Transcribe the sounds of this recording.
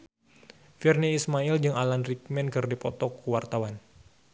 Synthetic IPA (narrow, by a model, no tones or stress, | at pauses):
firniːsmaild͡ʒɨŋalanrik̚mɛnkɨrdipɔt̪ɔkuwart̪awan